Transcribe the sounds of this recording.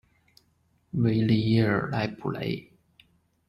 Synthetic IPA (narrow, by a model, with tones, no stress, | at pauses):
we˧˥ɪli˥˧jɛ˥˩ə̰˞˨˩la˧˥ɪpʰu˨˩lḛ˧˥ɪ